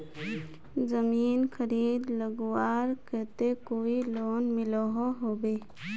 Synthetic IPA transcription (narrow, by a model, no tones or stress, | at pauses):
zəmiːnkʰəɾiːd̪ləɡwaːɾkɛt̪ekoːiloːnmɪlɔɦoɦoːbeː